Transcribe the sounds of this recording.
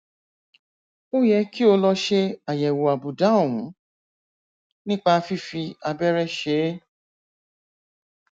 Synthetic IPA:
o˦jɛ˧ki˦o˧lɔ˧ʃe˧a˨jɛ˨wo˨a˨bu˨da˨˦o˦˨wũ˨˦ | nĩ˦k͡pa˧fi˦fi˧a˧bɛ˦ɾɛ˦ʃe˨˦

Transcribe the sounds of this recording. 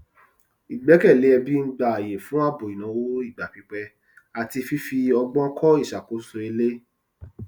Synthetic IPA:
i˨ɡ͡bɛ˨˦kɛ˦˨le˨˦ɛ˧bi˦n̩˦ɡ͡ba˨a˨je˨fũ˨˦a˦˨bo˨i˨nã˨˦wo˦i˦˨ɡ͡ba˨pi˨˧k͡pɛ˧ | a˨ti˧fi˦fi˧ɔ˧ɡ͡bɔ̃˦kʰɔ˦i˦˨ʃa˨ko˨˦so˧e˧le˦

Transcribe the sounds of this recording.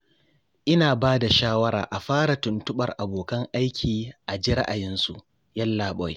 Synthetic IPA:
ʔɪ˦naː˨baː˦da˨ʃaː˦wɐ˦ɾa̰ː˨ʔa˨ɸaː˦ɽa˨tʊ˨ntʊ˦ɓɐ˨rʔa˨boː˨kɐ˦ŋʔa˦jkʲʰiː˨ʔa˨d͡ʒi˦ɾɐ̰˦ʔa˨jɪ˦nsṵ˨ʔ | jɐ˦lːaː˨ɓɔ˦j

